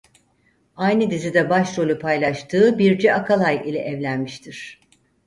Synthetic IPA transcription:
ajnɯd̪izid̪ɛbaʃɾo̞lʲˠupʰajlˠaʃt̪ʰɯːbiɾd͡ʒɛʔakʰalˠajilʲɛ̰ʔɛvlʲænmiʃt̪ʰiɾ̥

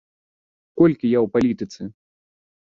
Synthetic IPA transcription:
kɔlʲkʲijawpalʲit̪ɨt̪sɨ

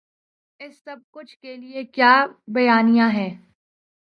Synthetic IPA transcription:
ɪsːɐb̚kʊt͡ʃʰkeliekjaːbɐjaːnijãɦɛː

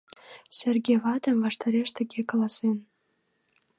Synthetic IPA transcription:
sʲerɡʲevɑd̪ə̆mvɑʃt̪ɑɾeʃt̪ə̆ɡʲekɑlˠɑsen

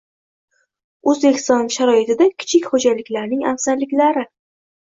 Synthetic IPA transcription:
ɵzbekʲst̪ɒnʃaɾɒɪt̪ʰɪd̪akʲʰɪ̥t͡ʃʰɪkʲχod͡ʒalɪkʲlaɾnɪŋafsaɾlɪkʲlaɾɪ

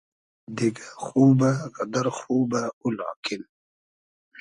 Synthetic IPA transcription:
d̪iɡaxuːbaɣɐd̪aɾxuːbaula̰ːkɪn

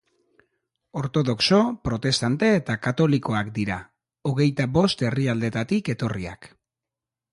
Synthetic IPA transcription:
o̞ɾt̪o̞ðo̞kso̞pɾo̞t̪e̞st̪ant̪e̞ːt̪akat̪o̞liko̞akd̪iɾa | oɣ̞e̞jt̪abo̞st̪e̞riald̪e̞t̪at̪ike̞t̪o̞ria̰k

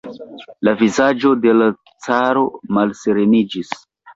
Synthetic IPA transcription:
lavizad͡ʒo̞de̞la | t͡saɾo̞malse̞ɾe̞nid͡ʒis

